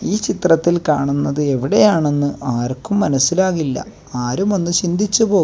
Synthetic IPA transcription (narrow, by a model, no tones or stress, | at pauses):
iːt͡ɕit̪rɐt̪ːilkaːɳunːɐðɨe̞ʋiɽejaːɳe̞nːɨʔaːrkːumːɐnɐsːilaːɣilːɐ̰ | aːɾumo̞nːɨt͡ɕind̪ʱit͡ɕːupo̞ː